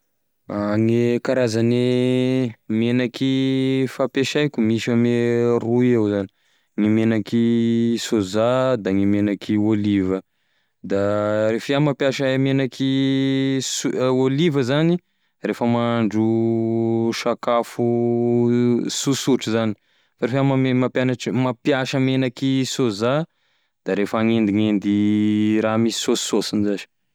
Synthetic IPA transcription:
aŋekaɾazane | menakifapeʃajkʲumiʃameruewzani | ŋimenakisozad̪aŋimenakʰiolivə | d̪arefiamapjaʃamenakʰi | suolivəzani | refəmaɳɖ͡ʐu | ʃakafu | susuʈ͡ʂuzani̥ | faɾefamamapanaʈ͡ʂmapjaʃəmenakisoza | d̪̥aɾefaŋend̪iŋend̪iɾamisi̥sossosinzazi̥

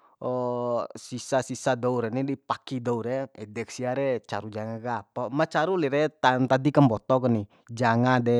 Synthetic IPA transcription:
ɔsisasisadɔuɾɛnidipakidɔuɾɛɛdɛk̚siaɾɛt͡ʃa̰ɾud͡ʒaŋakapamat͡ʃaɾuliɾɛt̪ant̪adikambɔt̪ɔkɔni | d͡ʒaŋadɛ

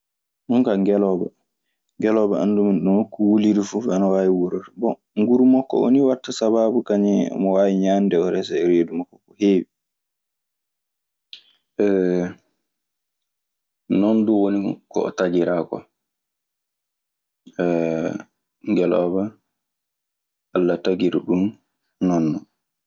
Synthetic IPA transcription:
ɗuŋkaŋɡɛlɔba̰ | ŋɡɛlɔbaanduminɗuhokːuwuliɾifuanawaːjiwuɾabɔ | ŋɡuɾumɔkːɔ̰o̰niwatːasabaːbukaɲɛɔ̰mɔwaːjiɲaːndɛɔɾɛsaɛɾeːdumakːɔkɔheːwi | ɛ | nɔnduwonikɔ̰ɔ̰tad͡ʒiɾakɔ̰ | ɛ | ŋɡɛlɔ̰ba | alːataɡiɾuɗum | nɔnːɔ

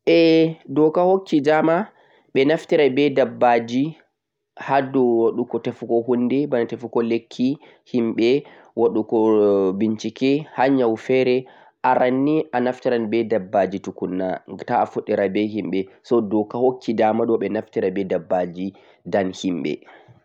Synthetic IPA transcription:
ʔɛdɔkahokːidama | ɓɛnaftiɾabɛdabːad͡ʒi | hadɔwaɗukɔtafukɔhundɛbanatafukɔlekʰːi | himɓɛ | waɗukɔbint͡ʃikɛhaɲawfɛɾɛ | ʔaɾanːiʔanaftiɾanbɛdabːad͡ʒitukunːataːfuɗːɛɾabɛɦimɓɛsɔdɔkahokːidamaɗɔɓɛnaftiɾabɛdabːad͡ʒi | danhimɓɛ̰

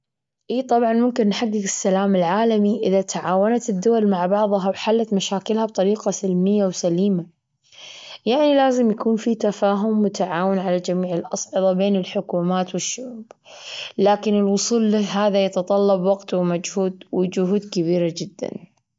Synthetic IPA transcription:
ʔiːt̪ˤɑbʕɑnmʊmkɪnːħaɡːɪɡɪsːalaːmɪlʕaːlamiʔɪðat̪aʕaːwanat̪ɪd̪ːʊwalmaʕbɑʕðˤɑɦawħalːat̪maʃaːkɪlhabt̪ˤɑɾiːqɑsɪlmɪjːawsaliːma | jaʕnilaːzɪmjakuːnfit̪afaːɦʊmːʊt̪aʕaːwɪnʕalad͡ʒamiːʕɪlʔɑsˤʕɨðˤɑbeːnɪlħʊkuːmaːt̪wɪʃːʊʕuːb̥ | laːkɪnɪlwʊsˤuːlːiɦaːðajɑt̪ɑt̪ˤɑlːɑbwɑɡt̪wmad͡ʒhuːd̪wɪd͡ʒʊɦuːd̪kaβiːɾad͡ʒɪd̪ːa̰n

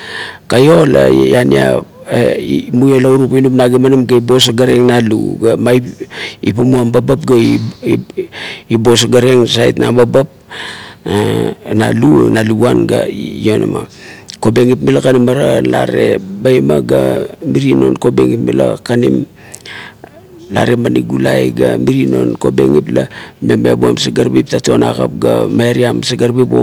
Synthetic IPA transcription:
kajo̞la̰jania̰ | mujalauɾupinupnaɡemanimɡaibo̞s̬aɡaɾe̞ŋnalṵɡamajipamuambabap̚ɡai | ibos̬aɡaɾe̞ŋsajtnababap̚ | ana̰lunaluanɡa̰jona̰ma̰ko̞beŋipmilakanimaɾalaɾe̞bajmaɡamiɾino̞nkobeŋipmila̰kanim | la̰ɾe̞maniɡulajɡamiɾino̞nko̞be̞̰ŋiplamemebua̰msaɡaɾbip̚tato̞na̰ka̰p̚ɡamaɾiamsaɡaɾbipo̰

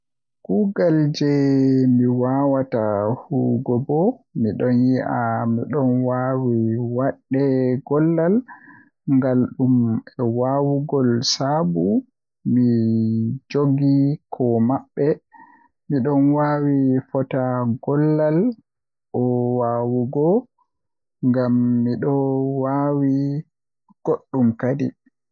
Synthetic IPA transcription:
kuɡald͡ʒɛmiwawatahuɡɔbɔmiɗɔnjiʔamiɗɔnwawiwaɗːɛɡɔlːal | ŋɡalɗumɛwawuɡɔlsabu | mi | d͡ʒoɡikʰɔmaɓːɛ | miɗɔnwawifɔtaɡɔlːal | ʔɔwawuɡɔ | ŋɡamːiɗɔwawi | ɡ̥oɗːumkadḭ

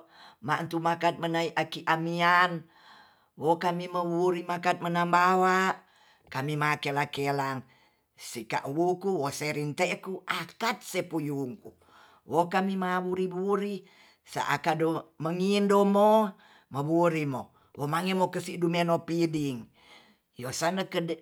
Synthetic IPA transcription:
maʔnt̪umakat̪̚mənaiʔakiʔamian | wokamiməβuɾimakat̪̚mənambawaʔ | kamimakelakelaŋ | sika̰ʔwukuwoseɾint̪eʔkuʔakat̪̚sepujuŋku | wokamimaβuɾibuɾi | sa̰ʔa̰kadoməŋindomo | məβuɾimo | womaŋemokəsiʔdumenopidiŋ | josanakəd

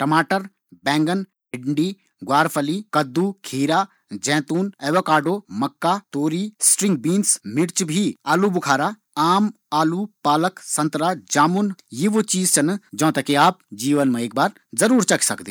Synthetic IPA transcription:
ʈɐmaːʈəɾ | bɛ̃ːŋɡən | ɪɖɳɖiː | ɡaːɾpʰəlikɐd̪ːukʰiːɾaː | d͡ʒɛ̃ːt̪uːnɛːʋɐkaːɾɖoːmɐkːaːt̪oːɾisʈɾɪ̃ŋɡ̚biːnsmɪɽt͡ʃbʱiaːlubʊkʰaːɾaː | aːm | aːlupaːləksɐnt̪ɾaːd͡ʒaːmunjiʋot͡ʃiːzt͡ʃʰɐnd͡ʒɐ̃ːt̪ɐkeaːp̚d͡ʒiːʋənmẽeːk̚baːɾ | zɐɾuːɾt͡ʃɐkʰsɐkd̪iː

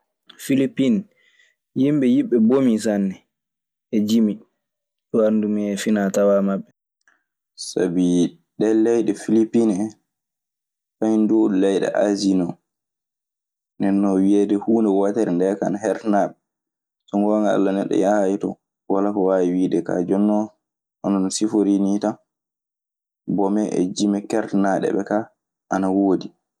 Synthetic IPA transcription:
filipːin | jimbɛjiɓɛbomis̬anːɛ | ʔɛd͡ʒimi | ɗɔandumiɛfinatawamaɓːɛ | sa̰bi | ɗɛlɛjɗɛfilipːinɛ | fajndulɛjɗɛ̰ʔa̰zinɔ | nɛnːɔwiɛdɛhuːnɛwataɾɛndɛkaanaɦɛɾtnaɓɛ | sɔŋɡɔːŋɡaa̰lːanɛɗːɔ̰jahjitɔ̰ | walakɔwajiwiːdɛka̰d͡ʒɔnːɔ | ʔɔnɔnɔsifoɾinita | bɔmɛʔɛ̰d͡ʒimɛkɛɾtnaɗɛ̰ɓɛka | ʔanawoːdi

